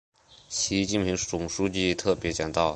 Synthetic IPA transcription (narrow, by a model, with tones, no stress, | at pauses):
ɕi˧˥t͡ɕi˥˩npʰi˧˥ŋt͡sʊ˨˩ŋʂu˥t͡ɕi˥˧t̪ʰɤ˥˩pjɛ˧˥t͡ɕjɑ˨˩ŋt̪ɑ˥˩ʊ